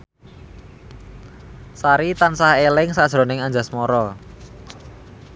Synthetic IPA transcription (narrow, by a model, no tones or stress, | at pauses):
saɾit̪ansahelɪŋsad̥ʒ̥ɾo̤nɪŋand͡ʒa̤smɔɾɔ